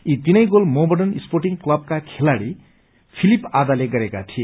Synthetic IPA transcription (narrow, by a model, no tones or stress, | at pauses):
it̪inʌjɡolmobʌɖʌnisporʈiŋklʌb̚kakʰelaɽi | pʰilipad̪aleɡʌɾekat̪ʰie